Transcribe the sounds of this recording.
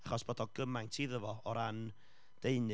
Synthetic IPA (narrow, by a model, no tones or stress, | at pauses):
aχɔsb̥oːdɔɡ̥əmajŋtʰiːðəvɔɔɾan | d̥eɨnɨ